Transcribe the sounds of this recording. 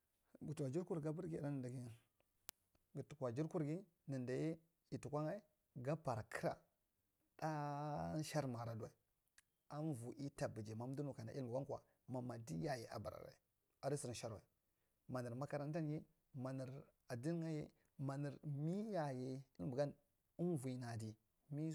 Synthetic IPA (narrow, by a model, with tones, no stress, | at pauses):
ɡu˨tu˨wa˨d͡ʒi˦ɾku˦ɾɡa˦bə˦ɾɡi˦˨da˦nə˨nda˨ɡi˦ | ɡu˨tu˨ka˨d͡ʒi˦ɾku˦ɾɡi˦ | ni˨nda˨je˦ | i˨tu˨kʷa˦ŋa˦i˦ | ɡa˦pa˨ɾkʰə˦ɾa̰˨ | da˦ʃa˦ɾma˨ɾa˨du˦wa̰˨i˨ | a˦m˦vu˨ʔi˦ta˨bi˨d͡ʒi˨ma˨˦m˦du˦nu˨ka˨na̰˨˦i˦lmbu˨ɡa˦ŋkwa̰˨ | ma˨ma˨di˦ja˦˨je˨ʔa̰˨ba˨ɾa̰˨ɾa̰˨ | a˨ɾi˦si˨ɾnʃa˦ɾwa˨i˨ | ma˨ni˨ɾma˦ka˦ɾa˦n˦ta˦nɡi˦ | ma˨ni˨ɾ | a˨di˦n˦ŋa˦jḛ˦ | ma˨ni˨ɾmi˦ja˨je˨i˦lmbu˨ɡa˦n | u˦nvu˨i˨na˨di˨ | mi˦